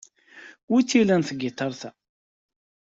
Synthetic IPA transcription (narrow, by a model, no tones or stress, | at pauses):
wit͡sːilænθəɡːɪt̪ˤːɑɾˤθæ